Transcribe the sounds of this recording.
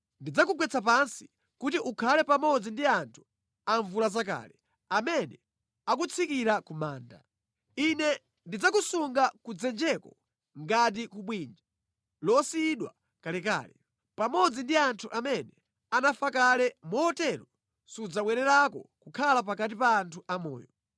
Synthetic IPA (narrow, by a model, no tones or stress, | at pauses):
ndid͡zakuk̬wɛt͡sʰap̬ansi̥ | kutiʔukʰalɛpamɔd͡zindiantʰu̥ | aɱvulazaka̰ːlɛ | amɛnɛ | ak̬ut͡sʰikiɾakumaːnda̰ | inɛ | ndid͡zakusuŋɡakud͡zɛnd͡ʒɛkɔ | ŋɡat̬ikuɓwind͡ʒa | lɔsiɗwa̰ | kalɛka̰ːlɛ | pamɔd͡zindiantʰuʔamɛnɛ | anafakalɛmɔːtɛɾɔ | sud͡zaɓwɛɾɛɾakɔ̰kukʰalap̬akat̬ipaːntʰuʔamɔ̰ːjɔ